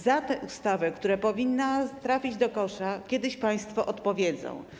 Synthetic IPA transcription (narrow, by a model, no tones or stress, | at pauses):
zat̪ɛʔust̪avɛkt̪uɾɛpɔvʲinːat̪ɾafʲid͡ʑd̪ɔkɔʂakʲjɛd̪ɘɕpaj̃st̪fɔʔɔt̪pɔvʲjɛd̪zɔ̰̃w̃